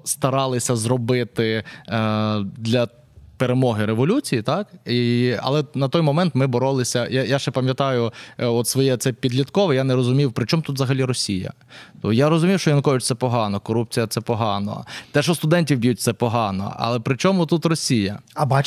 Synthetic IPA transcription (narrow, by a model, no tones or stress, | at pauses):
st̪ɐɾɑlˠɪsʲɐzrɔbɪt̪ɪ | d̪lʲɐ | peɾemɔɦɪɾeʋɔlʲut͡sʲijit̪ɑkiɐ̰lˠɛnɐt̪ɔjmɔmɛnt̪mɪbɔɾɔlˠɪsʲɐjajaʃɛpɐmʲjɐt̪ɑjʊɔt̪sʋɔjɛt̪sɛpʲid̪lʲit̪kɔʋɛjanɛɾɔzʊmʲiwpɾɪt͡ʃɔmt̪ut̪zɐɦɐlʲiɾɔsʲijɐ̰ | t̪ɔjaɾɔzʊmʲiwʃt͡ʃɔjɐnɐkɔʋʲɪt͡ʃʲt̪sɛpɔɦɑnɔkɔɾup̚t͡sʲijɐt̪sɛpɔɦɑnɔ̰t̪ɛʃɔst̪ʊd̪ɛnʲtʲiwbʲjut̚ʲt̪sɛpɔɦɑnɔ̰ɐ̰lˠɛpɾɪt͡ʃɔmʊt̪ut̪rɔsʲijɐɐbɑ